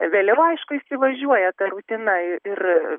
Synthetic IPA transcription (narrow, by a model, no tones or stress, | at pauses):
ʋʲeːlʲɛʊɐɪʃkʊɪsʲɪʋɐʒʲuɔjɛt̪ɐɾuːt̪ʲɪnɐɪɪr